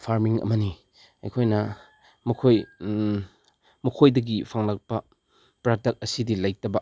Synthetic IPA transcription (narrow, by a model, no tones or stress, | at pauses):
pʰaɾmiŋɐ̰mɐni | ɐ̰jkʰojnɐ | mɐkʰoj | mɐkʰojdɐɡipʰaŋlak̚pɐ | pɾadɐk̚ɐsidilajtɐbɐ